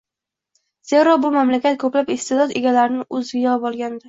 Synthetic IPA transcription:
z̥e̞ɾɒbʊmamlakʲat̪̚kʰɵplapɪst̪ed̪ɒd̪e̞ɡʲalaɾɪnɪʔɵzvɪjɒbɒlˠɡʲand̪ɪ

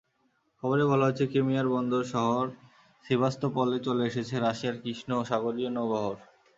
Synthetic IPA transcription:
kʰɔboɾebɔlaɦot͡ɕʰekemiaɾbɔnd̪oɾʃɔɦoɾ | ʃibʱast̪opɔlːet͡ɕoleeʃet͡ɕʰeɾaʃiaɾkɾiʃnoːʃaɡoɾionːobɔɦoɾ

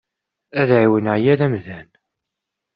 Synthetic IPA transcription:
æðʕiwənʕjæðæmðæn

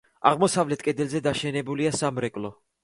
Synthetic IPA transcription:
a̰ʁmɔsavlɛt̪̚ʰʼkʼɛd̪ɛlzɛd̪aʃɛnɛbuliasamɾɛkʼlɔ

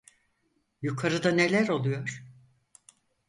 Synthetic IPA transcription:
jukʰaɾɯd̪ane̞lʲæɾo̞lˠujo̞ɾ̥

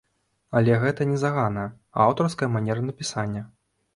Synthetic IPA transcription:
ɐlʲɛɣɛt̪ɐnʲɛzaɣanɐ | awt̪ɐrskɐjɐmanʲɛɾɐnɐpʲisanʲːɐ

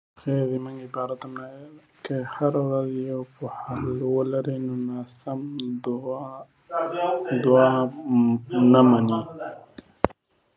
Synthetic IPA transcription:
xed̪iməŋɡibɑɾat̪amnawel | kehaɾawɾazjawpohalwəlaɾinonasam | d̪ua | namani

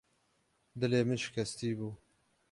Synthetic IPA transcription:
d̪ɨleːmɨʃɪ̥kʰɛst̪iːbuː

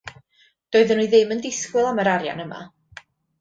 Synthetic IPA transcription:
d̥oːɨðənujðɪməndɪskwɨlˠaməɾaɾja̰nəma̰

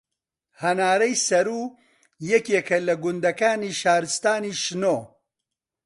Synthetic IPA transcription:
hɐnaːɾɐjsɐɾuː | jɛkeːkʰɐlɐɡʊnd̪ɐkaːniːʃaːɾɨst̪aːniːʃnoː

